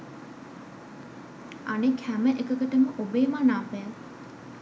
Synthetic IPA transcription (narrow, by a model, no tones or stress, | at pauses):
anekʰhæməʔekəkəʈəməʔobeːmaːnaːpejəl